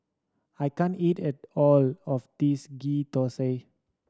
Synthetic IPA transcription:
ajkãnitɛtɔlɔfdisɡit̪ɔse

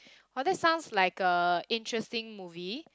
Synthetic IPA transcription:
wɔdɛtsãʊ̃nslaɪkəɪ̃ntʰɹɛstɪ̃ŋmuvi

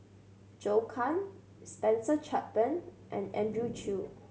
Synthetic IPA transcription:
d͡ʒokʰãn | spɛ̃nsət͡ʃʰapə̃nʔɛ̰̃nɛ̰̃ndɹut͡ʃʰu

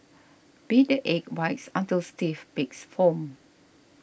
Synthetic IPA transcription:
b̥idəʔɛk̚waɪksãntilstifbiksfɔ̃m

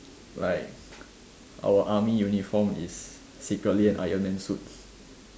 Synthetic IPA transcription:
laɪk̚ | ʔa̰wəʔamijunifɔ̃mḭsː | ikɹətliɛ̃nʔa̰jənmɛ̃nsut

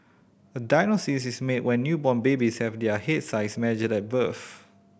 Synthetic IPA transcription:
ədaɪnosisismetwɛ̃nːjubɔ̃nbebishɛvdɛəhet̚saɪsmɛnɪd͡ʒədɛt̚bəf

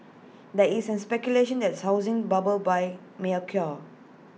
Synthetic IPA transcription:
dɛʔisɛ̃nspɛkjuleʃə̃ndɛtshaʊzɪ̃ŋbabəlbaj | melkʰjɔ

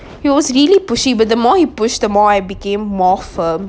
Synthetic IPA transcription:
hitwɔzɾiəlipʊʃibət̚d̪ðəmɔːhipʊʃt̚d̪əmɔaɪbikẽːmːɔːfəːm

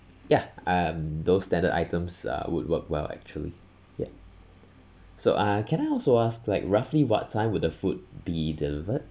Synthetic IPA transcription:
jaʔʌmd̪osstɛ̃ndədʔa̰ɪtə̃msʌ̰wʊ̰d̚wəkwɛ̰lɛ̰k̚t͡ʃuəlḭ | ja̰ | so̰ʔʌkʰɛ̃ñaɪɔlˠsoasklaɪkɹafliwɔ̰tʰːãɪ̃mwʊddəfut̚bidɪlɪvəd̚

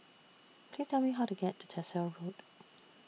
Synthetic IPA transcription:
pʰl̥iːz̥tʰɛlˠmiɦaʊtəɡɛtʰə̥tʰɛsəɹut

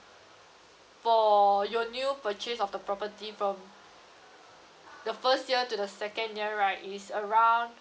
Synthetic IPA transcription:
fɔjɔnjupət͡ʃesɔfdəpɹɔpətifɹɔ̃m | dəfəstjiətudəsɛkə̃njiəɹaɪisəɹãw̃n

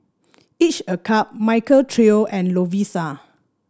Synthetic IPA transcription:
it͡ʃəkʰap̚majkəltʰɹioʔɛ̃nlovisa

